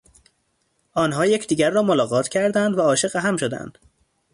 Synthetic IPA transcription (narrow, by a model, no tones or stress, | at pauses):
ʔɒːnɦɒːjecʰd̪iːɟæɾːɒːmolɒːɣɒːt̪ʰcʰæɾd̪ænd̪væɒːʃe̞ʁeɦæmʃod̪æ̰nd̪̥